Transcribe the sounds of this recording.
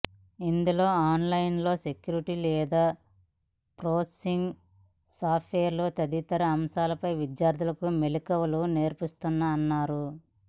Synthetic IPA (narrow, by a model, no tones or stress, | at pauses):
ind̪ulo̞ːaːnlɐjnlo̞ːse̞kjuːɾiʈilɛːd̪aː | pɾoːsesiŋɡ | saːpʰʈʰʋeːɐɾloːt̪ɐd̪it̪ɐɾɐɐmsaːlɐpɐjʋid̪jaːɾd̪ʱulɐkumelikɐʋɐlune̞ːɾpist̪unːɐːnːaːɾu